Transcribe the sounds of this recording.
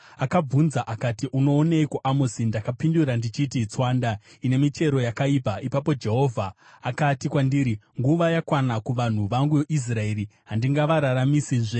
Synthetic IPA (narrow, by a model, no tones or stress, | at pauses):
akab͡vunzaʔakatiʔuno̞ːneikuʔamosindakapinduɾandit͡ʃitit͡swaːndaine̞mit͡ʃe̞ɾo̞jakaipaipapo̞d͡ʒe̞ɦo̞ːvʱaː | katikwandiːɾiŋɡuʋajakwanakuʋan̤uʋaŋɡuoʔis̬raeɾiɦandiŋɡaʋaɾaɾamisiʐe